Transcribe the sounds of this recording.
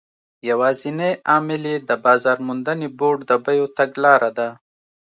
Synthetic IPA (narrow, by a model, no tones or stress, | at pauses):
jawɑzineɑmɪled̪əbɑːzɑɾmund̪əneboɖd̪əbajot̪aɡlɑɾad̪a